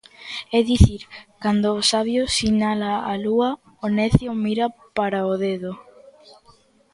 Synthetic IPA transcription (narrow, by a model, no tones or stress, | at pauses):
ɛðiθiɾkand̪oːsaβjosinalaalua | onɛθjomiɾapaɾaoðeðo